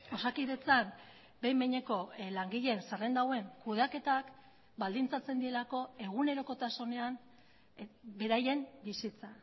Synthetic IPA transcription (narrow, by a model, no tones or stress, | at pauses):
o̞sakiðe̞t͡sam | be̞jmeɲe̞ko̞laŋɡiʎe̞nsarend̪awe̞ŋkuð̞ake̞t̪ak | bald̪int͡sat͡se̞nd̪ie̞lako̞e̞ɣ̞une̞ɾo̞ko̞t̪aso̞ne̞an | be̞ɾaje̞mbisit͡sa